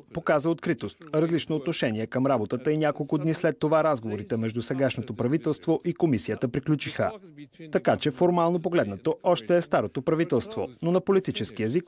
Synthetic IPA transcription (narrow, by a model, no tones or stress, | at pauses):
pokazəot̪kɾit̪ost̪ɾɐzlit͡ʃnoːt̪noʃɛniɛkəmɾabot̪ət̪əinʲakolˠkʊd̪nislɛt̪ːovaɾazɡovoɾit̪ɛmɛʒd̪usɛɡaʃnot̪opɾɐvit̪ɛlˠst̪voʔikomisiət̪əpɾiklʲut͡ʃixət̪ɐkat͡ʃɛfoɾmalˠnop̬oɡlɛd̪nət̪oɔʃt̪ɛːst̪aɾot̪opɾɐvit̪ɛlˠst̪vononɐpolit̪it͡ʃɛsk̟iɛzik